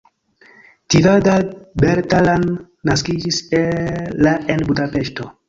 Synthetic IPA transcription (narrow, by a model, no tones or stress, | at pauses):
tiɾadabeɾtalan | naskid͡ʒiselaenbudape̞ʃto̞